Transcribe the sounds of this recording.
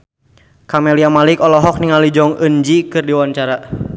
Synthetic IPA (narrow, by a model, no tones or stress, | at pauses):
kamɛliamalikɔlɔɦɔk̚niŋalid͡ʒɔŋənd͡ʒikɨrdiwaɲt͡ʃaɾa